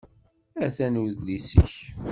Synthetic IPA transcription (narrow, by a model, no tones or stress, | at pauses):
æθænuðlisə̰ç